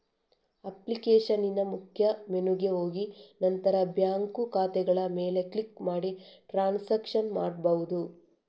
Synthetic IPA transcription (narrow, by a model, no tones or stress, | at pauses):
ɐplikeːʂɐninɐmukʰjɐmenuɡe̞ɦo̞ːɡinɐnt̪ɐɾɐbjaːŋkukaːt̪ɛɡɐɭɐmeːle̞klikmaːɽiʈɾaːnsɐkʂɐnmaːɽbɐʋud̪u